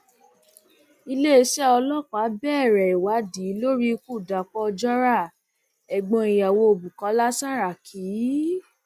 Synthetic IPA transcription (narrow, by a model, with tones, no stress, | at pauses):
i˧le˦e˧˦ʃɛ˦ɔ˧lɔ˦˨k͡pa˨˦bɛː˦˨ɾɛ˨i˨wa˨˦diː˨˦lo˦ɾi˦˧ku˦˨da˨k͡pɔ˦˧d͡ʒɔ˦ɾa˦˨ | ɛ˨ɡ͡bɔ̃˧i˨ja˨wo˧o˨bu˨kɔ˨˧˦la˦sa˦ɾa˨kʰi˨˦